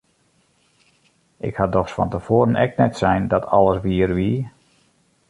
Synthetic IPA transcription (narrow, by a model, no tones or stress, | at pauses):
ʔɪ̰khadɔxsfɔ̰ntəfoːɾənɛ̰k̚nɛtsɛjndɔtʰɑ̰lˠəsʋiːərʋi